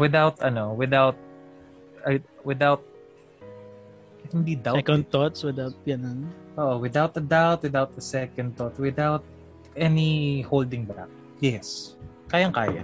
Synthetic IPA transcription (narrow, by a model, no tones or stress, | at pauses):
wɪd̪awt̪ɐnowɪd̪awt̪̚ | wɪd̪awt̪̚ | ɐhɪnd̪id̪awkont̪ːɔt̪swɪd̪awt̪̚pjɐnɐnʔoʔowɪd̪awt̪ɐd̪awt̪̚wɪd̪awt̪̚ɐsɛkɐnd̪̚t̪ɔt̪̚wɪd̪awt̪̚ | ʔɛnihold̪ɪŋba̰k̚ | jɛs | kaːjɐŋka̰ːjɐ̰